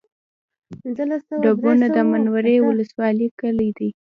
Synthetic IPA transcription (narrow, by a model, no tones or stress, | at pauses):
ɖabunad̪əmanwaɾewʊləswɑlikəlijd̪i